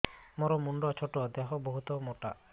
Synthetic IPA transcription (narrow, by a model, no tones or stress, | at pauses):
mɔɾɔmuɳɖɔt͡ʃʰoʈod̪ɛɦɔboɦut̪ɔmoʈa̰